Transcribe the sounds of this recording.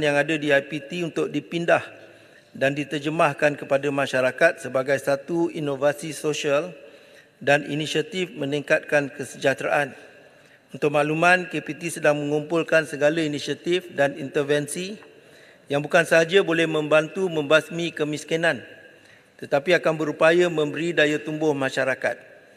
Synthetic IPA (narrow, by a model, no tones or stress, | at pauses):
njaŋadadiajpit̪iunt̪ʊk̚dipindah | dandit̪ərd͡ʒəmahkankəpadamãʃaɾakat̪̚səbaɡajsat̪uinovasisoʃial | danḭnisiat̪ifmə̃nĩŋkat̪̚kankəsəd͡ʒat̪ɾaʔan | unt̪ʊk̚maʔlumãnkepit̪isədaŋmə̃ŋumpʊlkansəɡalainisiat̪ifdanint̪ərvɛnsi | jaŋbukansəɦad͡ʒabolɛhmə̃mbant̪umə̃mbasmĩkəmiskinãn | t̪ət̪apiakanbəɾupajamə̃mbəɾidajat̪umbʊhmãʃaɾaka̰t̪̚